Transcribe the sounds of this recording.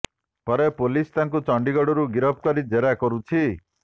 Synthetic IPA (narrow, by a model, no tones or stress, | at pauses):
pɔɾepolist̪aŋk̬ut͡ʃɔɳɖiɡɔɽɔɾuɡiɾɔb̚ʰkɔɾid͡ʒeɾakɔɾut͡ʃʰi